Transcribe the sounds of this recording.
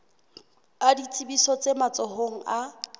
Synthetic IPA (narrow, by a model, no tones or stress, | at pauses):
adit͡sʰʼibisɔt͡sʼemat͡sʼɔhoŋ̩a